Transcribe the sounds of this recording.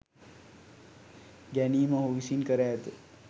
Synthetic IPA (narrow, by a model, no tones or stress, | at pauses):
ɡæniːməɦoʋisinkəɾæːt̪e